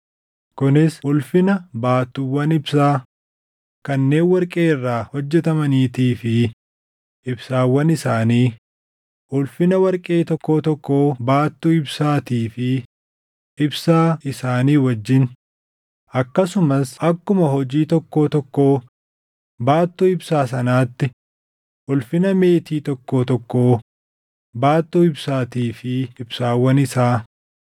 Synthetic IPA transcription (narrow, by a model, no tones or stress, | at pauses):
kʊnɪsʊlfɪnɐbaːt̪ːuwɐnɪbsaː | kɐnːeːnwɐɾkʼe̞ːɪrːaːhɔd͡ʒːɛt̪ɐmɐniːt̪iːfɪ | ʔɪbsaːwɐnɪsaːniː | ʔʊlfɪnɐwɐɾkʼe̞ːt̪ɔkːoːt̪ɔkːoːbaːt̪ːuːɪbsaːt̪iːfɪ | ʔɪbsaːɪsaːniːwɐd͡ʒːɪn | ʔɐkːɐsʊmɐsɐkːʊmɐɦɔd͡ʒiːt̪ɔkːo̞ːt̪ɔkːoː | baːt̪ːuːɪbsaːs̬ɐnaːt̪ːɪ | ʔʊlfɪnɐme̞ːt̪iːt̪ɔkːoːt̪ɔkːoː | baːt̪ːuːɪbsaːt̪iːfɪɪbsaːwɐnɪsaː